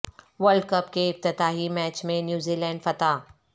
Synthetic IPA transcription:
ʋəlɖ̚kɐpkeɪft̪ɪt̪aːɦimɛːt͡ʃmẽnjuːziːlɛ̃ːɳɖfɐt̪aː

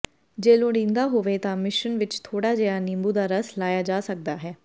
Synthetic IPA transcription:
d͡ʒeːlõːɽĩːnd̪aːɦoːʋeːt̪ãːmɪʃənʋɪt͡ʃt̪ʰoːɽaːd͡ʒeːaːnɪ̃mbuːd̪aːɾəslaːjaːd͡ʒaːsək̚d̪aːɦɛː

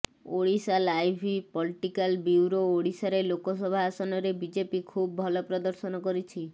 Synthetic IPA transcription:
oɽisalajbʱipɔliʈikalbiwɾooɽisaɾelokɔsɔbʱaasɔnɔɾebid͡ʒepikʰubɔbʱɔlɔpɾɔd̪ɔɾsɔnɔkɔɾit͡ʃʰi

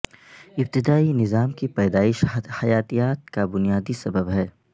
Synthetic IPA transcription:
ɪb̚t̪ɪd̪aːinɪzaːmkipɛːd̪aːɪʃhɐjaːt̪ijaːt̪̚kabʊnijaːd̪isɐbəbɦɛː

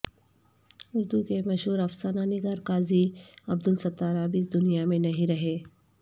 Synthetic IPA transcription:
ʊɾd̪ukemɐʃɦuːɾɐfsaːnanɪɡaːɾkaːziɐb̚d̪ʊlsɐt̪ːaːɾaːbiːs̬d̪ʊnijamẽnɐɦĩɾɐɦeː

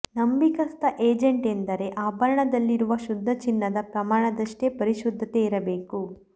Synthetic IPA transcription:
nɐmbikɐst̪ɐʔeːd͡ʒeɳʈend̪ɐɾe̞ʔaːbɐɾɐɳɐd̪ɐlːiɾuʋɐʃud̪ʱːɐt͡ʃinːɐd̪ɐpɾɐmaːɳɐd̪ɐʂʈepɐɾiʃud̪ʱːɐt̪eiɾɐbe̞ːku

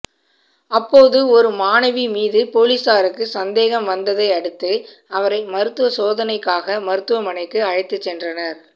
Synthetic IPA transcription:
ɐpːoːðɯɔɾɯmaːnɐʋimiːðɯpoːlisaːɾɯkːɯsɐnd̪eːɣɐmʋɐnd̪ɐðɐɪɐɽɯt̪ːɯ | ɐʋɐɾɐɪmɐɾɯt̪ːɯʋɐsoːðɐnɐɪkːaːɣɐmɐɾɯt̪ːɯʋɐmɐnɐɪkːɯɐɻɐɪt̪ːɯt͡ʃːɛndrɐnɐɾ

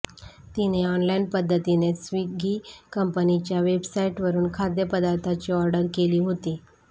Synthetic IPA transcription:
t̪ineɔnlainpəd̪ʱːət̪inesʋiɡʱiːkəmpənit͡ɕjaʋebsaiʈʋəɾuːnkʰad̪jəpəd̪aɾt̪ʰat͡ɕiɔɾɖəɾkeliːɦot̪iː

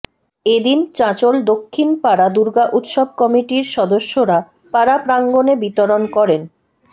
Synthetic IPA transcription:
ed̪int͡ɕãt͡ɕold̪okʰːinpaɾad̪uɾɡaʔut̪ʃɔb̚kɔmiʈiɾʃɔd̪oʃːoɾa | paɾapɾaŋɡonebit̪oɾonkɔɾen

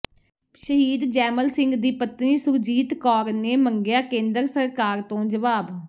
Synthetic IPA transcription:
ʃəɦiːd̪d͡ʒɛːməlsɪ̃ŋɡd̪iːpət̪niːsʊɾd͡ʒiːt̪kɔːɾneːməŋɡɪjaːkẽːnd̪əɾsəɾkaːɾt̪õːd͡ʒəʋaːb

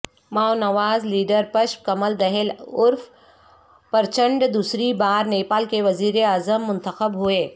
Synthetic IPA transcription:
maːonɐʋaːzliːɖəɾpɐʃkɐməld̪ɛɦɪlʊɾf | pɐɾt͡ʃə̃ɳɖd̪uːsɾibaːɾneːpaːlkeʋɐziːɾeaːzəmːʊ̃nt̪əxəbɦueː

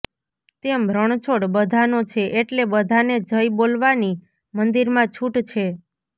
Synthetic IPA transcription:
t̪embʱɾəɳ̃t͡ʃʰoɽbəd̪ʱanot͡ʃʰeʔeʈlebəd̪ʱaned͡ʒʱəjbolʋani | mənd̪iɾmãt͡ʃʰuʈt͡ʃʰe

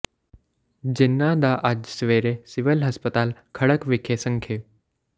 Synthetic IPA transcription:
d͡ʑinːad̪aʔad͡ʑsʋeɾesiʋəlɦəspət̪aːlkʰəɽəkʋikʰesəŋkʰe

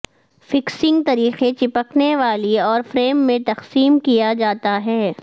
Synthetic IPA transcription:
fɪksɪ̃ŋɡt̪ɐɾiːxet͡ʃɪpəkneʋaːliɔːɾfɾeːmːẽt̪ɐxsiːmkijad͡ʒaːt̪aɦɛː

